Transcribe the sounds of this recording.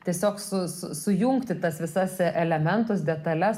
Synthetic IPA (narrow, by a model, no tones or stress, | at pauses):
t̪ʲiɛsʲoːksʊsʊsʊjuŋkt̪ʲɪt̪ɐsʋʲɪsɐsʔɛlʲɛmʲɛnt̪ɐs̬d̪ʲɛt̪ɐlʲɛs